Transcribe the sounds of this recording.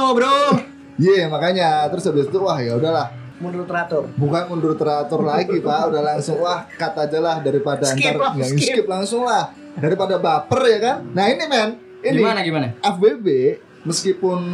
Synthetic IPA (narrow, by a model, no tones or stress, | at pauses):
obɾo | jamakaɲat̪əɾʊsabɪt̪t̪uwahjaudahlah | mundɾʊt̪ɾat̪ʊrbukanmundɾut̪ːɾat̪ʊrlaɡipaʔudahlaŋsʊŋwahkat̪ad͡ʒalahdaɾipadaːnt̪arjauskɪp̚laŋsʊŋlah | daɾipadabapərjakannahinimɛn | inimanaɡimanaɛfbebe | məskipʊn